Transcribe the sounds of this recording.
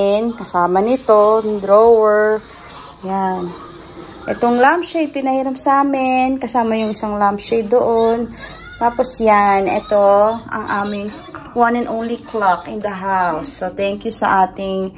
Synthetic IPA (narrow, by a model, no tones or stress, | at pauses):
ɪnkɐsaːmɐnɪt̪od̪ɾowɛɹ | jan | ʔɛ̰t̪oŋlampʃɐjpɪnɐhiːɾɐmsʔaːmɪnkɐsaːmɐjʊŋʔɪsaŋlampʃejd̪oʔon | t̪aːposjanʔɛ̰t̪o̞ʔɐ̰ŋʔaːmɪŋ | wanɛ̃nʔõwnliklakɪnd̪ɐɦawsːot̪ɛŋkjusɐʔaːt̪ɪŋ